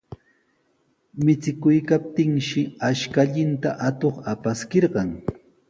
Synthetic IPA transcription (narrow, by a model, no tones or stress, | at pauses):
mɪt͡sɪkʊjkap̚t̪ɪŋʃɪaʃkaʎɪnt̪aʔat̪oχapaskeɾɢɑŋ